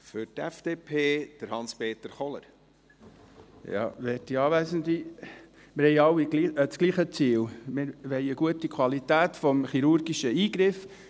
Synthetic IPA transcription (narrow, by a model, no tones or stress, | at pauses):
fʏɾtɛfd̥eːpʰeːd̥əɾhɑnspeːt̪əɾχɔlə̰ɾ | jɑ̰ːʋɛːtiɑːʋæsənd̪i | mɪɾhɛɪɑwːiɡliːət͡skliːχət͡siːlmɪɾʋɛɪəɡuətikʰwɑlit̪æːtfɔmχiɾʊɾɡiʃəiːɡɾɪf